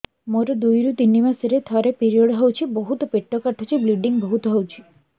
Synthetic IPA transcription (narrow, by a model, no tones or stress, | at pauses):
moɾɔd̪ujɾut̪inimasiɾet̪ʰɔɾepiɾiɔɽɦewt͡ʃʰibɔɦut̪ɔpeʈːɔkaʈʰɔt͡ʃʰibliɖiŋbɔɦut̪ɔɦewt͡ʃʰi̥